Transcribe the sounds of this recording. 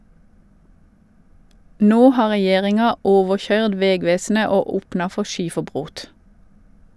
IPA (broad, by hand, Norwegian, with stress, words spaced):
ˈnoː ˈhɑː ʁɛˈjeːʁɪŋɑ ˈoːʋəˌçœʏd ˈʋɛˌɡʋeːsnə ˈoː ˈuːpnɑ ˈfɔ ˈʃiːfəˌbʁoːt